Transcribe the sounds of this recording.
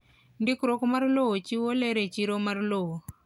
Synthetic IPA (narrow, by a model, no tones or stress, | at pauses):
ndikɾokmarlowot͡ʃiwoleɾet͡ʃiɾomarlowo